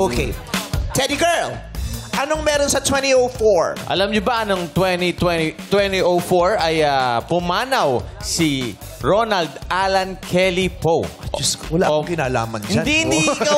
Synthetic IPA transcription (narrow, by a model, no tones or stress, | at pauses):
ʔoket̪ʰɛd̪iɡɛɹlʔɐnoŋmɛːɾonsɐt̪wɛ̃nt̪iowfoɹʔɐ̰lɐmɲʊbɐʔɐnoŋt̪wɛnit̪wɛnit̪wɛnt̪iʔowfoɹɐjapʊmaːnɐwsi | ɹonɐld̪ʔalɐnkʰɛlipoɐswɐla̰kɪnaːla̰ːmɐnhɪd͡ʒnand̪ihɪ̃nd̪ikɐ